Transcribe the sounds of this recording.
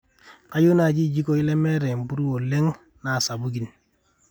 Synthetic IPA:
ka˦ju˦na˨d͡ʒi˦˨d͡ʒi˦ko˦i˦lɛ˦mɛ˦ɾɛ˨m̩˨bu˦ɾu˦wo˨le˦ŋ | na˨sa˨bu˦ɡi˨n

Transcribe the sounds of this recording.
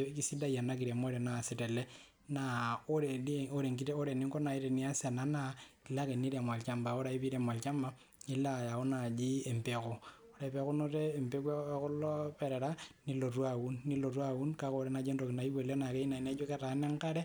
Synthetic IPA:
k̬i˦si˦da˦ja˨na˦ki˨ɾe˨mo˦ɾe˨na˨si˨tɛ˨lɛ˦ | na˨o˦ɾe˨o˦ɾe˨ŋki˦te˦o˦ɾe˨ni˦ŋkɔ˦na˨i˦ɾe˨ni˨˦a˦sa˨na˨na˦˨i˨la˦ke˨ni˦ɾe˨mwa˨lt͡ʃa˦mba˨o˦ɾa˨i˦pi˦ɾe˨mwa˨lt͡ʃa˦mba˦ | i˦la˦˨ja˨o˦na˨d͡ʒi˦e˨mpe˨ko˨o˦ɾe˦˨pe˦ko˦no˦ɾɛː˦˨mpe˦kwe˦kɔ˦lɔ˦pɛ˨ɾɛ˨ɾa˦ni˦lo˨twa˨wu˦nːi˦lo˨tu˦a˦wu˦nka˦ko˨ɾɛ˦na˦d͡ʒe˦ndo˨ki˨na˨i˦be˨le˦na˨ke˦i˦na˨i˨nɛ˦d͡ʒo˦kɛ˦ta˨˦nɛ˦ŋka˦ɾɛ˦

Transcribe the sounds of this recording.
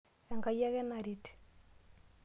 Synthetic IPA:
ɛ˨ŋɡa˨ja˦ɣɛ˦na˨ɾiti̥

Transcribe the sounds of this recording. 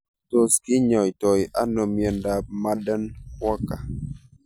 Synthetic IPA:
to˨skɪ˦ɲɔ˨jtɔ˨ja˦nɔ˨mjɛ˨nda˨p̚ma˦də˦nwɔ˦ka˨

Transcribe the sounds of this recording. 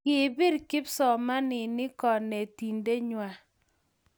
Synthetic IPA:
kɪ˨bɪ˦ɾkɪ˦psɔ˨ma˦nɪ˨nɪ˦kɔ˨ne˨ti˨nde˦ɲwa˨

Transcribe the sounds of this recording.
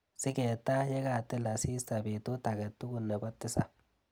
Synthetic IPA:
sɪ˦keːt̪ːa˦jɛ˦ɡaː˨t̪ːɛ˦lɐ˨siː˦sɐ˨biː˨t̪ːu˦t̪ɐ˨ɡɛ˨t̪ːʊ˦ɡʊ˨nːɛ˨bɔ˦t̪ːɪ˦sɐ˨

